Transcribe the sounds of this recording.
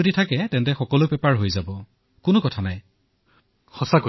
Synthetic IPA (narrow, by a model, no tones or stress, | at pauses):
oditʰakɛtɛntɛxɔkɔlʊpɛpaɹɦojzabɔ | kʊnʊkɔtʰanaj | xɔsako